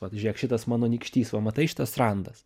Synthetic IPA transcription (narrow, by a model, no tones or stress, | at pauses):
ʋɐt̪ʒʲiɛkʃʲɪt̪ɐsmɑːnoːnʲiːkʃʲt̪ʲiːsʋɐmɐt̪ɐɪʃʲɪ̥t̪ɐsrɐnd̪ɐs